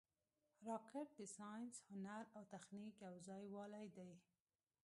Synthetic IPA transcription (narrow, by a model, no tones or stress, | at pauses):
ɾɑkɪʈ̚d̪ɪsɑjnshʊnaɾawt̪axnikjawzɑjwɑlajd̪aj